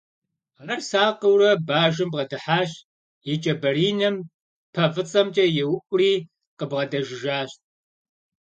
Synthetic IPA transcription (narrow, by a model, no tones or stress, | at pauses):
ʁɐrsaːqəwrɐbaːʒɪmbʁɐdɨħaːɕ | jɪt͡ʃʼɐbɐriːnɐm | pʰɐvɨt͡sʼɐmt͡ʃʼɐjɛwkʷʼʊriː | qəbʁɐdɐʒɪʒaːɕt̚ʼ